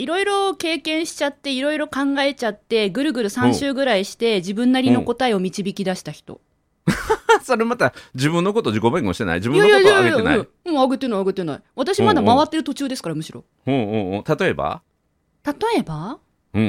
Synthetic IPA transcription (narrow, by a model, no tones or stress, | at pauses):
iɾo̞iɾo̞ke̞ːkẽ̞ɰ̃ɕi̥t͡ɕat̪ːe̞iɾo̞iɾo̞kãŋɡae̞t͡ɕat̪ːe̞ɡɯ̟ɾɯ̟ɡɯ̟ɾɯ̟sãɕɨːɡɯ̟ɾaiɕi̥t̪e̞d͡ʑibɯ̟̃nːaɾʲino̞ko̞t̪aeo̞mʲit͡ɕibʲikʲid̪aɕi̥t̪açi̥t̪o̞̰ | so̞ɾemat̪ad͡ʑibɯ̟̃nːo̞ko̞t̪od͡ʑikobakmoɕi̥t̪ena̰ḭd͡ʑibɯ̃najaaena̰ĩɯ̟̃aɡɯt̪ːenaiaɡɯt̪ːena̰iβat̪aɕimad̪amaβat̪ːe̞ɾɯ̟t̪ot͡ɕɨːd̪e̞sɨ̥kaɾamɯ̟ɕiɾo̞̰ | õːɯ̃ːɯ̃ːt̪at̪o̞e̞ba̰ | t̪at̪o̞e̞ba | ɯ̟̃